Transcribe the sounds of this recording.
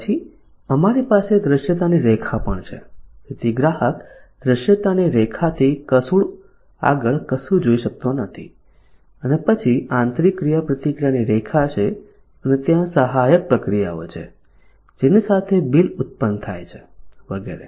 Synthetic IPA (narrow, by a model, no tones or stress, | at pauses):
t͡ʃʰi | əmaɾipased̪ɾəʃjət̪aniɾekʰapəɳt͡ʃʰḛpɾət̪iɡɾaɦəkd̪ɾəʃjət̪aniɾekʰat̪ʰikəsuɭ | a̰ɡəɭkəsud͡ʒoiʃək̚t̪onət̪ʰḭ | ənepət͡ʃʰiãnt̪ɾikːɾijapɾət̪ikɾaniɾekʰat͡ʃʰe | ənet̪jãsəɦajək̚pɾəkɾija̰o̰t͡ʃʰḛ | d͡ʒenisat̪ʰebilʊt̪̚pənt̪ʰa̰jt͡ʃʰeʋəɡḛɾḛ